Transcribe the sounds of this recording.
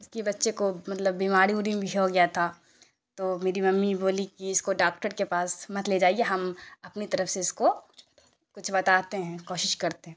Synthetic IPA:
ʊskebɐtːʃekomɐt̪ləbːiːmaːɾiuɾimebʱiɦoɡɐjat̪ʰa | t̪oːmeːɾimɐmːiboːlikiɪskoɖaːkʈəɾkepaːsmɐt̪led͡ʒaːieɦɐmɐpnit̪ɐɾəfseɪsko | kʊt͡ʃʰbɐt̪aːt̪eɦɛ̃koːʃɪʃkɐɾt̪eɦɛ̃ː

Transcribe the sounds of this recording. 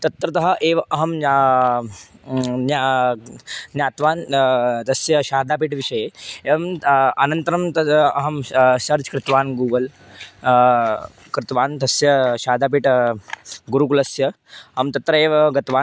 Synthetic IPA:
t̪ɐt̪ɾɐt̪ɐɦɐʔeːʋʔɐɦɐm | na | jaːt̪ʋaːnt̪ɐsjɐʃaːd̪ʱaːp̬iːʈʋiʂɐjeeʋɐmɐnɐnt̪ɐɾɐmt̪ɐɐɦɐmʃɐɾt͡ʃkɾɪt̪ʋaːnɡuːʋɐl | kɾɪt̪ʋaːnt̪ɐsjɐʃaːd̪aːp̬iːʈ | ɡuɾukulɐsjɐ | ɦɐmt̪ɐt̪ɾɐeːʋɡɐt̪ʋaː

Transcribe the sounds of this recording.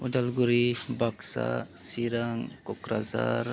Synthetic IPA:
udalɡuɾibaksa̰siɾaŋkɔkɾaza̰ɾ

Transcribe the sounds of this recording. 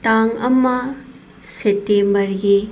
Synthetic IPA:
taŋɐmɐ | setːembɐɾɡe

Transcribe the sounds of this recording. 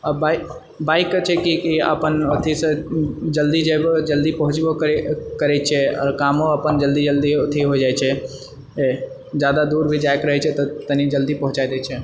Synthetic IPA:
əbaɪ | baːɪkːət͡ʃʰɛkikiə̰pənot̪ʰisə̃d͡ʒəld̪id͡ʒebd͡ʒəld̪ipəɦʊ̃t͡ʃbokəɾɛt͡ʃʰɛɔ̰ːɾkaːmõəpənd͡ʒəld̪id͡ʒəld̪iot̪ʰiɦod͡ʒajt͡ʃʰɛ | e | d͡ʒjaːd̪ad̪uːɾbʱid͡ʒajkɾəɦɛt͡ʃʰɛt̪ɔt̪ənid͡ʒəld̪ipə̃ɦʊ̃t͡ʃajd̪ɛt͡ʃʰɛ

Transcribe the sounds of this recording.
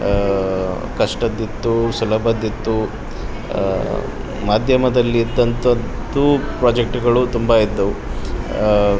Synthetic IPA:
kɐʂʈɐd̪ːit̪ːusulɐbɐd̪ːit̪ːu | maːd̪ʱjɐmɐd̪ɐlːid̪ːɐnt̪ɐnt̪upɾaːd͡ʒek̚ʈɡɐɭut̪umbɐid̪ːu

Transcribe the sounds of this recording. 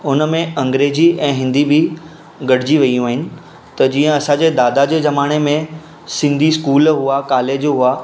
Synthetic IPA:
ʊnəmẽɐ̃ŋɡɾeːd͡ʑiɛ̃ːɦɪ̃nd̪ibʱɪ | ɡɐɽ̤ɪd͡ʑiʋɐijũɦɪnɪ̆ | t̪ɐd͡ʑiːə̃ɐsãd͡ʑeːd̪aːd̪ad͡ʑeːzɐmaːɽ̃emẽ | sɪ̃nd̪ʱiskuːlɦuakaːleːd͡ʑɦʊa

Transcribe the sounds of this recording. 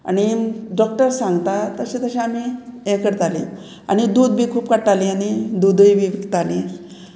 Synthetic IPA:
a̰ñiɖɔk̚ʈəɾsãŋɡt̪at̪əɕẽt̪əɕeamiẽkəɽt̪alḭ̃ | a̰ñid̪uːd̪bʱiːkʰuːpkəʈalĩaɽ̃id̪ud̪ibʱiʋikt̪alĩ

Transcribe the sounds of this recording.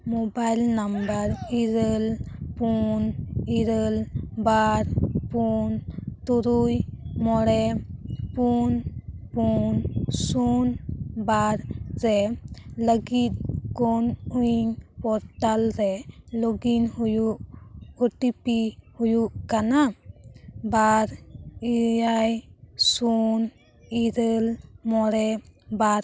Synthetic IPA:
mobajlnambaɾiɾəlpuniɾəlbaɾpunt̪uɾujmɔɽɛpunpunsunbaɾzɛləɡit̪̚kɔnujiŋpɔɾʈalɾɛlɔɡinhujuʔoʈipihujuʔkana | baɾiajsun | iɾəlmɔɽɛbaɾ

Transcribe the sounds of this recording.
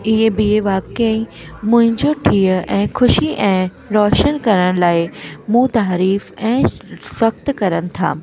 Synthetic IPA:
ɪɦebieʋaːkəĩmʊ̃ɦɪ̃ɲd͡ʑoʈʰiːəɛ̃ːxʰʊʃiʔɛ̃ː | ɾɔːʃənkɐɾəɽ̃laːɪmũːt̪aːɾiːfɛ̃ːswɐxt̪kɐɾəñɪ̆t̪ʰa̰ː

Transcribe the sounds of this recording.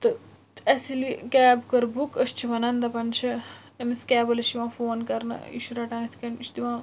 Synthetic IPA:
t̪ɐ | ɐsilikɛːbkɐɾbukɐst͡ʃʰiʋɐnɐnd̪ɐpɐnt͡ʃʰɐ | ɐmiskʲɛːbɐlɐʃiʋãːfoːnkɐɾnɐ̰ḭʃuɾɐʈaːnit̪ʰkɐnit͡ʃd̪iʋãː

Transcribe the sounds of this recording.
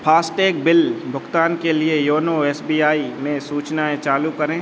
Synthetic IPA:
pʰaːsʈeːk̚bɪlbʱʊɡt̪aːnkeliejoːnoɛːsbiːaːimẽsuːt͡ʃnaẽt͡ʃaːlukɐɾẽː

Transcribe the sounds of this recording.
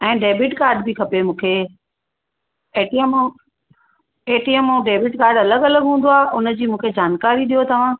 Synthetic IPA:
ɛ̃ːɖeːbɪʈkaːɾɖbikʰɐpemũːkʰe | eːʈiem | eːʈiɛmũːɖeːbɪʈkaːɾɖɐləɡɐləɡɦũːnd̪oaːɦʔʊnə̆d͡ʑiːmũːkʰed͡ʑaːnkaːɾiɗijot̪ɐʋ̤ã

